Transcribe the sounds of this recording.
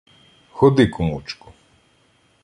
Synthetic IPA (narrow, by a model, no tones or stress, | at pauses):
xɔd̪ɪkʊmut͡ʃkʊ̥